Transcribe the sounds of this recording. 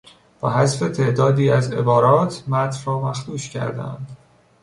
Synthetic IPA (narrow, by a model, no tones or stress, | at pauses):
b̥ɒ̰ːhæzfe̞t̪ʰe̞ːd̪ɒːd̪iːæze̞̰bɒːɾɒːt̪ʰmæt̪ɾrɒːmæxt̪uːʃcʰæ̰ɾd̪æ̰nd̪̥